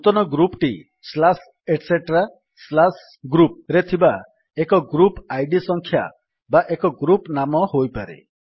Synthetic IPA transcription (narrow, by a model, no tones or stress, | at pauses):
ut̪ɔnɔɡɾupʈi | slas | eʈseʈɾa | slas | ɡɾup̚ɾet̪ʰiba | ekɔɡɾupajɖisɔŋkʰja̰ | baʔekɔɡɾupnamɔɦojpaɾḛ